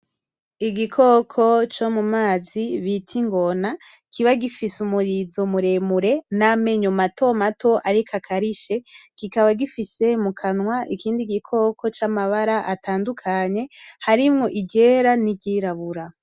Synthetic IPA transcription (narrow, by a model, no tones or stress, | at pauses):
iɡikʰo̞kʰo̞t͡ʃomumaːziβitʰiŋɡo̞na | kʰiβaɡifisumuɾizomuɾe̞muɾe̞name̞ɲomatʰo̞matʰo̞ʔaɾikʰakʰaɾiʃe̞kikaβaɡifise̞mukʰanwaʔikiːndiɡikʰo̞kʰo̞t͡ʃamaβaɾaʔatʰaːndukʰaɲe̞haɾimŋo̞ʔiɟe̞ːɾaniɟiɾaβuɾa